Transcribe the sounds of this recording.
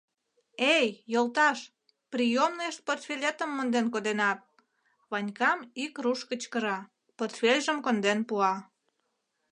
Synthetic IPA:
ejːolˠt̪ɑʃ | prijomneʃt̪̚port̪fʲelʲet̪əmːə̆nd̪enkod̪enɑt̪̚ | βɑnʲkɑmikruʃkət͡ɕkə̆ɾɑ | port̪fʲelʲʒəmkond̪enpuɑ

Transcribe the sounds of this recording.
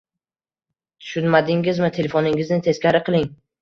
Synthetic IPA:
t̪ʰʊ̥ʃʊnmad̪ɪŋʲɪzmɪt̪ʰe̞le̞fonɪŋɪznɪt̪ʰe̞skʲaɾɪqʰɨlˠɪŋ

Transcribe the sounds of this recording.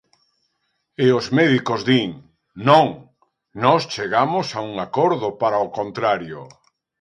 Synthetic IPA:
eozmɛðikozðiŋ | nõŋ | nɔst͡ʃeɣamosauŋakoɾðʊpaɾaokont̪ɾaɾjo

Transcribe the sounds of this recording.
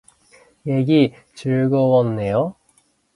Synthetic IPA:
jeɡi | t͡ɕɯɭɡʌwʌnːe̞jo

